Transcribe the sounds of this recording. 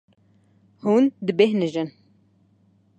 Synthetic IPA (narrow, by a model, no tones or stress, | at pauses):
hund̪ɨbehɦnɨʒɨn